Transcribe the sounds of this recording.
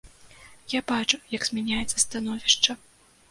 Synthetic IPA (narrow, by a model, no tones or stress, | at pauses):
jabat͡ʂujɐɡz̥ʲmʲanʲajɛt̪sːɐst̪an̪ɔvʲiʂt͡ʂɐ